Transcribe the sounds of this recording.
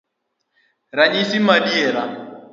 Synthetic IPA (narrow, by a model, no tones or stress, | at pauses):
ɾaɲisimaɗiɛɾa